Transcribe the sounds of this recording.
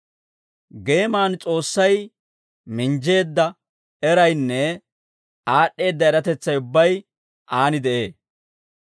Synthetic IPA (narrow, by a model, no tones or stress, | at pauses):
ɡe̞ːmaːnt͡sʼo̞ːsːɐj | mɪnd͡ʒe̞ːd̪ːɐ | ɛɾɐjnːɛ | aːɗːe̞ːd̪ːɐɛɾɐt̪ɛt͡sːɐjʊbːɐj | ʔaːnɪd̪ɛʔe̞ː